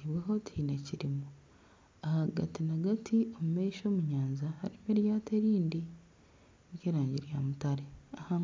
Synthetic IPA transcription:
iβweɦo̞tiːne̞ciɾimu | ahaɡa̰tinaɡatʰiomumeiʃo̞ːmuɲaːɲzahaɾimeɾjaːteɾiːndi | ekeɾaːɲɟiɾjamutaɾeaha

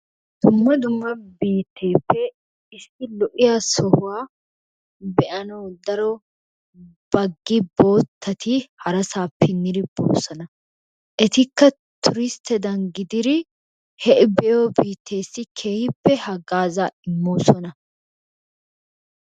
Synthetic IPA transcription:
d̪̥ʊmːɐd̪ʊmːɐbiːt̪ːeːpːɛ | ɪsːɪlɔʔɪjasɔhʊwaː | bɛʔɐnɐwd̪ɐɾɔ | b̥ɐɡːɪbo̞ːt̪ʰːɐt̪ʰihɐɾɐsaːpːɪnːɪɾɪb̥o̰ːsɐnɐ | ʔɛt̪ɪkːɐ | t̪ʰʊɾɪst̪ɛd̪ɐnɡɪd̪ɪɾɪ | hɛʔɪbɛjoːbiːt̪ʰːe̞ːsːɪkʰe̞ːhɪpːɛhɐɡaːzaɪmːoːsɔnɐ

